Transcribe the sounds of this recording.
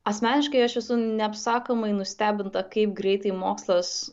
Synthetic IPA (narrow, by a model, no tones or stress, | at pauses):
ɐsʲmʲæːnʲɪʃkɐɪɐʃʋʲɛsʊnʲɛɐpsɑːkomɐɪnʊsʲt̪ʲæːbʲɪnt̪ɐkɐɪp̚ɡɾʲɛɪt̪ɐɪmoːkslˠɐs